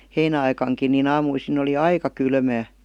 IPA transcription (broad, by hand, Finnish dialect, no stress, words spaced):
heinæɑikɑŋkin nin ɑːmuisin oli ɑikɑ kylmæː